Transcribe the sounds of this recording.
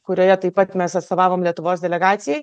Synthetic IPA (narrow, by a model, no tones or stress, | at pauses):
kʊɾʲoːjɛt̪ɐɪpːɐt̪mʲɛsɐt̪st̪oːʋɑːʋoːmlʲiɛt̪ʊʋoːsd̪ʲɛlʲɛɡɑːt̪sʲɪjɛj